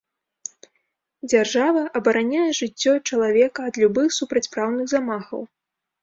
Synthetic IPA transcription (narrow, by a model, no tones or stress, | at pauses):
d͡zʲarʐavɐʔɐbɐɾanʲajɛʐɨt͡sʲːɔt͡ʂɐlˠavʲɛkɐːd̪lʲubɨxsupɾɐt͡sʲpɾawnɨɣzamaxɐ̰w